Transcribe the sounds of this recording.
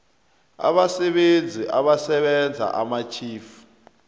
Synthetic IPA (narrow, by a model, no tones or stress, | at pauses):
a̰ɓasɛɓend͡zʱiʔaɓasɛɓɛnd͡zʱa̰ʔamat͡ʃʰiːfu̥